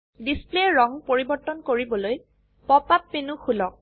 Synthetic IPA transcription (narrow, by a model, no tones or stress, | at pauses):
displeɹɔŋpoɹibɔɹt̪ːɔnkoɹibɔloj | pɔpapːenuxʰulɔk̚